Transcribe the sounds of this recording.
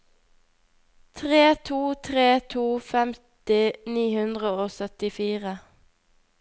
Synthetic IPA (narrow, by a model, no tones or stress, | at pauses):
t̪ʰʁeːt̪ʰuːt̪ʰʁeːt̪ʰuːfɛmt̪ɪniːhʉnd̪ʁəoːsœt̪ɪfiːʁə